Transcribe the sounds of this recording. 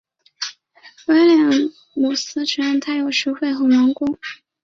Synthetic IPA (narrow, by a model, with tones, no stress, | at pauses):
we˥ɪljɛ˧˩ | mu˨˩sɹ̩˥ʈ͡ʂ̩ʰ˧˥˧nt̪ʰa˥ɪjo˨˩ʊʂɻu˧˥xwe˥˩ɪxɤ˧˥mɔ˧˥ŋkʊ˥ŋ